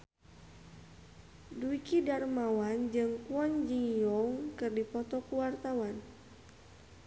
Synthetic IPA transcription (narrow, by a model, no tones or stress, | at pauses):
duikidarmawand͡ʒɨŋkuɔnd͡ʒiŋjɔŋkɨrdipɔt̪ɔkuwart̪awan